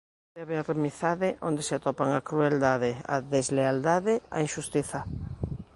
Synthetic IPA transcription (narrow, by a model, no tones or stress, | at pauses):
d̪ɛβearemiθaðɪʔõnd̪eseat̪opaŋakɾueld̪aðea̰ðezleald̪aðea̰iŋʃust̪iθa